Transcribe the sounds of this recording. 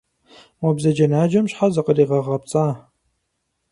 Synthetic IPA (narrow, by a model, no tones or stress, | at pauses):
wɔbzɐd͡ʒɐnaːd͡ʒɐmɕħazɐqəriːʁɐʁɐp̚t͡sʼaː